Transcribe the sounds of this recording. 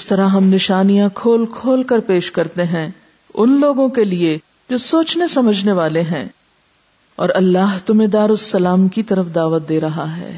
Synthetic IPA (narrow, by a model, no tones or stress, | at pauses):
ɪst̪ɐɾaɦɐmnɪʃaːnijãkʰoːlkʰoːlkɐɾpeːʃkɐɾt̪eɦɛ̃ | ʊnloːɡõkelie | d͡ʒoːsoːt͡ʃnesɐməd͡ʒʱneʋaːleɦɛ̰̃ː | ɔ̰ːɾɐlːaːɦt̪ʊmẽd̪aːɾʊsːɐlaːmkit̪ɐɾəfd̪aːʋət̪̚d̪eːɾɐɦaɦɛ̰ː